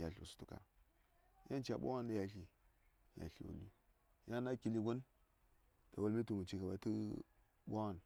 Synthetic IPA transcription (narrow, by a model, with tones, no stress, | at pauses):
ja˨ɬu˨su̥˨tu˨ka̰˨˦ | ja˦nt͡ʃa˨ɓʷa̰˦wa˦na˦ja˨ɬi˨ | ja̰˨ɬḭ˨wo̰˨li˦ | ja˦na˦ki˨li˦ɡo˦n | ta˨wo˨lmi˦tu˨mu˨t͡ʃi˨ka˨ba˨˦tu˦ | ɓʷa˦wa˦˨n